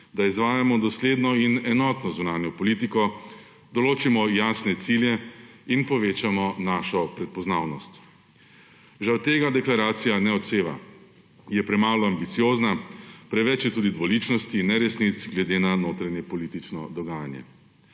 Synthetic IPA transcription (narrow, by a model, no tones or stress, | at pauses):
d̪aizʋaːjamɔd̪ɔsled̪nɔinɛnɔːt̪nɔzunaːnjɔpɔlit̪ikɔ | d̪ɔloːt͡ʃimɔjasnɛt̪siljɛinpɔʋeːt͡ʃamɔnaːʃɔpɾɛt̪̚pɔznaːwnɔst̪ | ʒawt̪eːɡad̪ɛklaɾaːt̪sijanɛɔt̪seːʋa̰ | jɛpɾɛmaːlɔambit̪sijoːznapɾɛʋɛt͡ʃjɛt̪uːd̪id̪ʋɔlit͡ʃnɔst̪inːɛɾɛsnit̪sɡlɛd̪eːnanoːt̪ɾanjɛpɔliːt̪it͡ʃnɔd̪ɔɡaːjanjɛ̰